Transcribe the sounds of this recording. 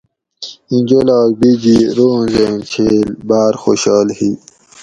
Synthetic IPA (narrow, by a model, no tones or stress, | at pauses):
ind͡ʑolɑːbid͡ʑiɾuːnzent͡ɕʰelbaːɾxoɕɑːlhi